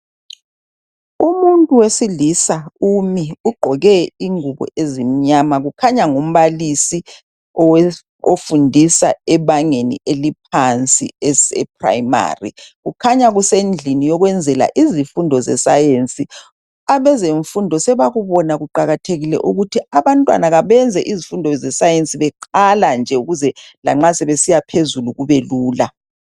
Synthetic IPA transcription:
umuntʼuwesilisaumiuɡ͡ǃʱɔɣɛiŋuɣɔ̰ʔezim̩ɲamaɣukʰaɲaŋum̩βalisi | ofundʱisa̰ɛβaŋenḭʔelip̚ʰant͡sʼḭɛsɛ̰p̚ʰra̰jma̰ːrḭɣukʰaɲaɣusend͡ɮʱinijɔɣwɛnd͡zʱɛla̰ʔizifundʱɔzɛsajent͡sʼi | aβɛzeɱfundʱɔsɛβaɣuβɔnaɣuǃaɣatʰeɣilɛ̰ʔuɣutʰiaβantʼwa̰naɣaβɛnd͡zʱɛʔizifundʱɔzɛsajent͡sʼiβɛǃaland͡ʒʱɛuɣuzɛla̰ŋ͡ǁasɛβesijapʰezuluɣuβeluːla

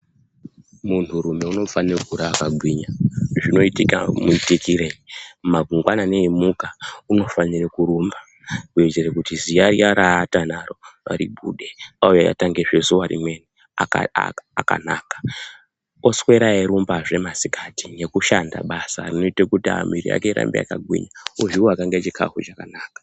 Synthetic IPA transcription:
muntʰuɾume̞uno̞fanirekuɾaakaɡʱwiːɲaʐino̞itika̰muitikiɾeimaɡʱuŋɡwanane̞imukauno̞fanirekuɾuːmba | kwed͡ʒerekutizijaɾiaɾaːtanaɾo̞ʋa̰ɾiɓṵɗeaujaja̰taŋɡeʐesuwaɾḭmwe̞ni | a̰ː | ka̰na̰ːkḁ | oswe̞ɾaeɾumbaʐe̞masikati̥ne̞kuʃanda̰ɓasarino̞itekutia̰miɾḭa̰keiɾa̰mbea̰kaɡʱwḭɲauʐiuakaŋɡet͡ʃikʰa̰xut͡ʃakanaːkḁ

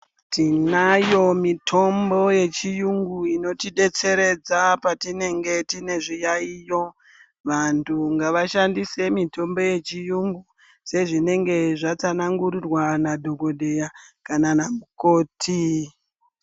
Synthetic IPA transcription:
tʰinajo̞mitʰo̞mbo̞je̞t͡ʃijuŋɡuino̞tiɗe̞t͡se̞ɾe̞d͡zapatine̞ŋɡe̞tine̞ʐijaijo̞ | ʋantʰuŋɡaʋaʃandise̞mitʰo̞mbo̞je̞t͡ʃijuŋɡu | se̞ʐine̞ŋɡe̞ʐat͡sanaŋɡuɾirwanadʱo̞ɡo̞dʱe̞jakananamuko̞ːtʰi

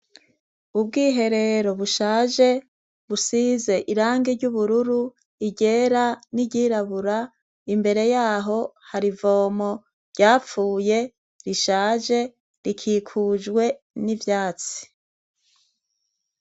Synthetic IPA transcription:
ubɡiːɦe̞ɾe̞ɾo̞βuʃaːʒe̞ | βusize̞ʔiɾaːŋɡeɾɟuβuɾuɾu | iɟe̞ːɾaniɟiːɾaβuɾa | imbe̞ɾe̞jaːɦo̞haɾivo̞ːmo̞ | ɾɟaːfuːje̞ | ɾiʃaːʒe̞ | ɾikʰiːkʰuːd͡ʒɡwe̞ | nivjaːt͡si̥

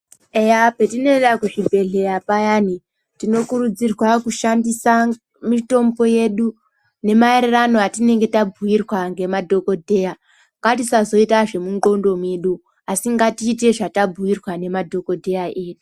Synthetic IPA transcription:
ejape̞tine̞ɗakuʃibʱe̞ɮe̞ɾapajani | tino̞kuɾud͡zirwakuʃandisa | mito̞mbo̞je̞ɗu | ne̞mae̞ɾeranoatine̞ŋɡe̞tabʱuirwaŋɡe̞madʱo̞ko̞dʱe̞ja | ŋɡatisazo̞itaʐe̞muŋɡo̞ndo̞mweɗu | asiŋɡatiːte̞ʐatabuirwane̞madʱo̞ko̞dʱe̞jaʔeːɗu

